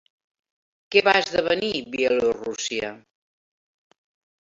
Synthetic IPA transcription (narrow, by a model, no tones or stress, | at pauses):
kɛβazðəβəniβiəlorusiə